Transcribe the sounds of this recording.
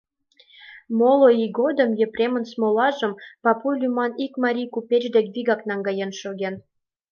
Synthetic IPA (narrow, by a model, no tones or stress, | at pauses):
moloiɡod̪ə̆mjə̆prʲemə̆nsmolɑʒə̆mpɑpulʲymɑnikmɑɾʲijkupʲet͡ɕd̪ekβiɣɑknɑŋɡɑjenʃoɣen